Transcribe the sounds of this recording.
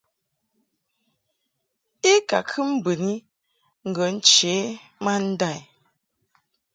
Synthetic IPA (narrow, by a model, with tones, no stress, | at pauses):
i˦ka˨kʰɨ˦m̩˦bə˨ni˦ | ŋ̩˨ɡə˨n̩˦t͡ʃe˨˦ma˦n̩˦da˦˨j